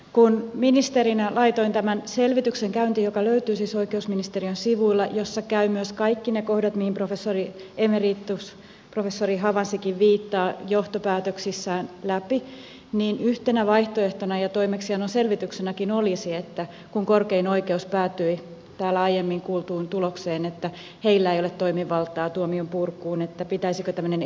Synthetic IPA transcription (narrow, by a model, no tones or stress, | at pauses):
kunminist̪eɾinælɑit̪oint̪æmænselʋit̪ykseŋkæynt̪ijokɑløyt̪yːsisoikeusminist̪eriønsiʋuilːɑjosːɑkæymyøskɑikːinekohdɑt̪mihimprofesːoriemerit̪ːus | profesːoriɦɑʋɑnsikiʋʋiːt̪ːɑːjoht̪opæːt̪øksisːæːnlæpi | niːnyht̪enæʋɑiht̪oeht̪onɑjɑt̪oimeksihɑnonselʋit̪yksenækinolisiet̪ːæ | kuŋkorkeinoikeuspæːt̪ːyi | t̪æːlːæɑijemːiŋkuːlt̪uːnt̪ulokseːnet̪ːæ | heilːæeiolet̪t̪ːoimiʋɑlt̪ˑɑːt̪uomiompurkːuːnet̪ːæpit̪æisikøt̪æmːønen